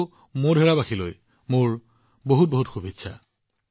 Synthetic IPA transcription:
modʱɛɹabaxʰiloj | moɹ | boɦut̚boɦutxubʱitːsʰa̰

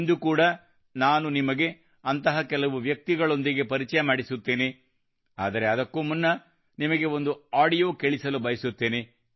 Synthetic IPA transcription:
nd̪ukuːɽɐ | naːnunimɐɡe̞ | ɐnt̪ɐɦɐkɛlɐʋuʋjɐk̚t̪iɡɐɭo̞nd̪iɡe̞pɐɾit͡ʃɐjɐmaːɽisut̪ːe̞ːne | aːd̪ɐɾe̞ɐd̪ɐkːumunːɐ | nimɐɡe̞o̞nd̪uaːɽijo̞ːkeɭisɐlubɐjɐsut̪ːe̞ːne

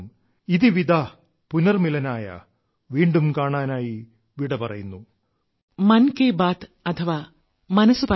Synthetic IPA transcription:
m | iðiʋid̪a | punɐrmilɐnaːjɐ̰ | ʋiːɳɖumkaːɳaːnaːji | ʋiɽɐpɐrɐ̰junːu | mɐnkeːbaːt̪ɐt̪ʰɐʋaː | mɐnɐsupɐ

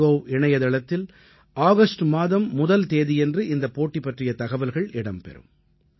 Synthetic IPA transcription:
oːɪɳɐjɐðɐɭɐt̪ːɪl | aːɣɐsʈmaːðɐmːʊðɐlt̪eːðijɛndrɯʔɪnd̪ɐpoːʈːipːɐʈrɪjɐt̪ɐɣɐʋɐlɣɐɭɪɽɐmpɛ̰ɾɯ̰m

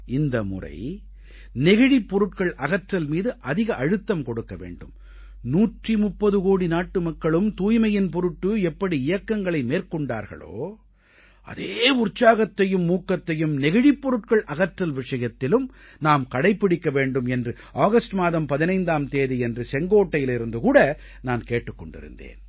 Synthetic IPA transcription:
ɪnd̪ɐmʊ̰rɐ̰ɪ | nɛɣɪɽipːɔɾɯʈ̚kɐɭɐɣɐʈrɐlmiːðɯʔɐðɪɣɐʔɐɻɯt̪ːɐmkɔɽɯkːɐʋḛːɳɖɯ̰m | nuːʈrimʊpːɐðɯkoːɽinaːʈːɯmɐkːɐɭɯmt̪uːjmɐjɪnp̬ɔɾɯʈːɯɛpːɐɽiɪjɐkːɐŋɡɐɭɐɪmeːɾkɔɳɖa̰ːɾɣɐ̰ɭo̰ː | ʔɐ̰ðeːʊrt͡ʃːaːɣɐt̪ːɐjɯmːuːkːɐt̪ːɐjɯmnɛɣɪɻipːɔɾɯʈkɐɭʔɐɣɐʈrɐlʋɪʂɐjɐt̪ːɪlɯm | naːmkɐɽɐɪpːɪɽɪkːɐʋeːɳɖɯmɛndrɯ | ʔaːɣɐsʈmaːðɐmpɐðɪnɐɪnd̪aːmt̪eːðiɛndrɯsɛŋɡoːʈːɐjɪlɪɾɯnd̪ɯkuːɽɐ | naːnkeːʈːɯkːɔɳɖɪ̰ɾɯ̰nd̪ḛːn

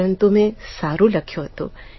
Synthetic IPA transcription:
ə̃nt̪umẽsaːɾulɐkʰjoɦɐt̪ṵ

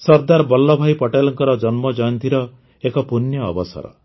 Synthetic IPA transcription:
sɔɾd̪aɾbɔlːɔbʱajpɔʈelɔŋkɔɾɔd͡ʒɔnmɔd͡ʒɔɔnt̪iɾɔ | ekɔpunjɔ̰ːbɔsɔ̰ɾɔ̰

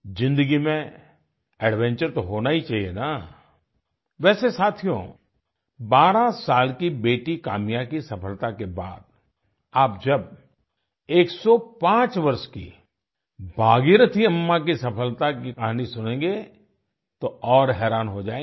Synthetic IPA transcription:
zɪ̃nd̪əɡimẽ | ɛːɖʋɛ̃ɲt͡ʃəɾt̪oɦoːnaːit͡ʃaːɦiena | ʋɛːsesaːt̪ʰijõ̰ | baːɾasaːlkibeːʈika̰ːmijãkisɐpʰəlt̪akeba̰ːd̪ | aːp̚d͡ʒɐb̚ | eːksɔpãːt͡ʃʋɐɾʃkḭ | bʱaːɡiɾət̪ʰiɐmːakisɐpʰəlt̪akikɐɦanisʊnẽːŋɡe | t̪oɔːɾɦɛːɾaːnɦod͡ʒaːe

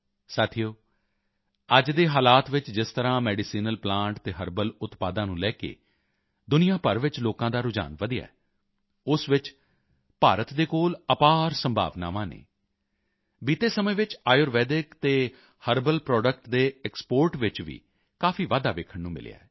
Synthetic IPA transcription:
saːt̪ʰijoː | əd͡ʒd̪eːɦaːlaːt̪ʋɪt͡ʃd͡ʒɪst̪əɾãːmɛːɖɪsiːnəlplãːɳʈt̪eːɦəɾbəlʊt̪paːd̪ãːnũːlɛːkḛː | d̪ʊnɪjãːpəɾʋɪt͡ʃloːkãːd̪aːɾʊd͡ʒa̰ːnʋəd̪ɪja̰ː | ʊsʋɪt͡ʃ | paːɾət̪d̪eːkoːləpaːɾsəmbʱa̰ːʋna̰ːʋãːnḛː | biːt̪eːsəmə̃ːʋɪt͡ʃaːjoːɾʋɛːɖɪkt̪eː | həɾbəlpɾɔːɖək̚ʈd̪eːɛkspoːɾʈʋɪt͡ʃʋḭː | kaːfʰiːʋaːd̪aːʋeːkʰəɳnũːmɪ̰lja̰ːɛː

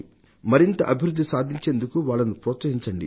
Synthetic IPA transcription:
mɐɾint̪ɐʔɐbʱiɾud̪ːisaːd̪ʱiɲt͡ʃe̞ːnd̪ukuʋaːɭːɐnupɾɔːt̪sɐɦiɲt͡ʃɐɳɖḭ

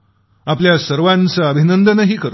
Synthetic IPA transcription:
apljasəɾʋant͡səːbʱinənd̪ənəɦiːkəɾ

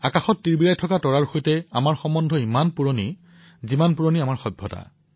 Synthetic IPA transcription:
akaxɔtːiɹbiɹajtʰɔkatɔɹaɹxojtɛamaɹxɔmɔndʱɔimanpuɹoni | zimanpuɹoniamaɹxɔbʱːɔ̰ta̰

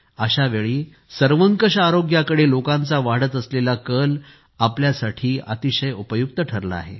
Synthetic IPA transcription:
əɕaʋeɭiː | səɾʋəŋkəɕaɾoɡjakəɽelokãnt͡saʋaɽ̤ət̪əslelakəl | apljasaʈʰiːa̰t̪iɕəjupəjuk̚t̪əʈʰəɾla̰ːɦḛ

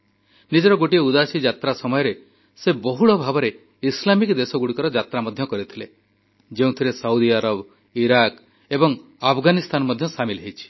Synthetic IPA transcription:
nid͡ʒɔɾɔɡoʈieud̪asid͡ʒat̪ɾasɔmɔjɔɾe | sebɔɦuɭɔbʱabɔɾe | islamikd̪esɔɡuɽikɔɾɔd͡ʒat̪ɾamɔd̪ʱjɔkɔɾit̪ʰile | d͡ʒeũt̪ʰiɾesawd̪iaɾɔb | iɾak | ebɔŋ | apʰɡanist̪ʰanɔmɔd̪ʱjɔsamilɦejt͡ʃʰi̥

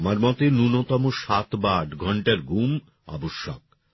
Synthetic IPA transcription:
maɾmɔt̪enunot̪ɔmoʃat̪baʈɡʱɔɳʈaɾɡum | ɔ̰boʃːɔ̰k̚

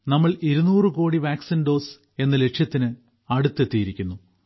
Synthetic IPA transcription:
nɐmːɐɭiɾunuːrɨko̞ːɽiʋaːksinɖo̞ːs | e̞nːɐle̞ʂjɐt̪ːinɨ | ɐɽut̪ːe̞t̪ːijiɾikʲːunːu

